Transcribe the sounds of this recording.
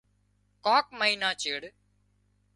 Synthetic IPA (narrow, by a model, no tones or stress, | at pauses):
kɔːk̚məiːnãːt͡ʃeːɽ